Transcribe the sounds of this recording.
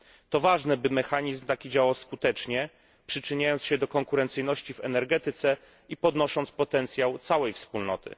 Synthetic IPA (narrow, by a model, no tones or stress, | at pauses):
t̪ɔvaʐnɛbɘmɛxaɲizmt̪akʲid͡ʑawawskut̪ɛt͡ʂɲɛ | pʂɘt͡ʂɘɲajɔntsɕɛd̪ɔkɔŋkuɾɛnt̪sɘjnɔɕt͡ɕivɛnɛɾɡɛt̪ɘt̪sɛ | ipɔd̪nɔʂɔnt̪spɔt̪ɛnt̪sʲjawt̪sawɛjfspulnɔt̪ɘ̰